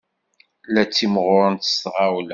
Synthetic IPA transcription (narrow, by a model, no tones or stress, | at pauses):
læt͡sːimʁʊɾˤənt̪ə̥sʁawlæ